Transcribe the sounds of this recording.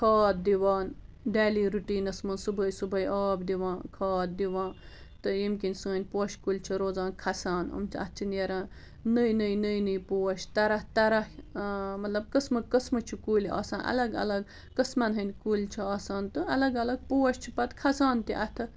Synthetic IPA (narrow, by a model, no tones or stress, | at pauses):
kʰaːt̪̚d̪iʋaːn | ɖaːliːɾuʈiːnɐsmɐnsubɐjsubɐjʔaːbd̪iʋãːnkʰaːt̪̚d̪iʋãːn | t̪ɨjimkinsɨ̃ːnʲpoːʃkulʲt͡ʃʰiɾoːd͡zaːnkʰɐsaːnṵmt͡ʃʰiɐ̰t̪t͡ʃʰineɾãːn | nəjnɨjnɨjnɨjpoːʃt̪ɐɾɐht̪ɐɾɐhmɐt̪lɐbkəsmɨkɐsmɨt͡ʃʰukuːlʲia̰ːsaːnʔɐ̰lɐɡɐ̰lɐɡ | kəsmɐnɦɐnʲkulʲt͡ʃʰiɐːsaːnt̪ɨɐlɐɡɐlɐɡ̚poːʃt͡ʃʰipɐt̪kʰɐsaːnt̪iʔɐ̰t̪ʰɐ